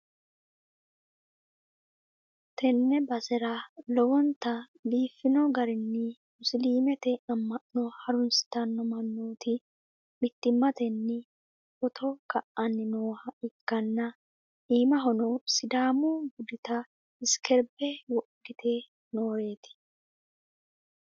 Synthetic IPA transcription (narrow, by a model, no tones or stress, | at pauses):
t̪ɛnːɛbɐsɛɾɐlɔwɔnt̪ɐ | liːfːɪnɔɡɐɾɪnːɪmʊsliːmɛt̪ɛɐmːɐʔnɔhɐɾʊnsɪ̥t̪ɐnːɔmɐnːoːt̪ɪ | mɪt̪ːɪmːɐt̪ɛnːɪ | ɔt̪ʰɔkɐʔɐnːɪnoːhɐɪkːɐnːɐ | ʔiːmɐɦɔnɔsɪd̪aːmuɡʊd̪ɪt̪ɐ | ɪskʰɛɾbɛwɔʔd̪ɪt̪ʰeː | noːɾe̞ːt̪ɪ̥